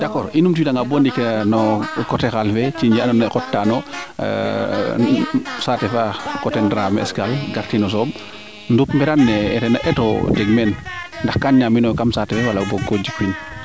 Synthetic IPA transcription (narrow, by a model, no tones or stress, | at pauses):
dakɔːɾinumtuidaŋɡabɔndikenɔkɔtɛxalfɛt͡ʃiɲd͡ʒianɔnɛkɔtːanɔ̰ | saːtɛfakɔtɛndɾamɛ̰skalɡaɾtinɔs̬ɔːm | ndupmbɛɾanːɛɛtɛnaʔɛtɔ̰d͡ʒɛɡmɛnndaxkanɲaminɔkamsatɛfɛwalaboɡod͡ʒikin